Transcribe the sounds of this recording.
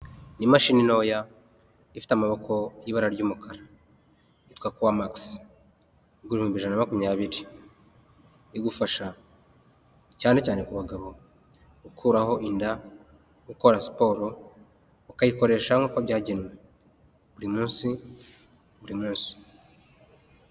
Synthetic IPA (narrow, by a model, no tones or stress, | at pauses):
nimaʃiːnino̞ːja | ifi̥tamaβo̞kʰo̞jiβaɾaɾɟuːmukʰaɾa | itkwakuwamaks | iɡuɾihumbiʒananamakumɲaːβiɾi | iɡufaʃa | caːnecaːne̞kuβaɡaβo̞ | ɡukʰuːɾaho̞ʔinda | ɡuko̞ɾasi̥po̞ːɾo̞ | ukajiko̞ɾe̞ʃaŋɡukoaβɟaːɟenwe | βuɾimuːnsi | βuɾimuːnsi̥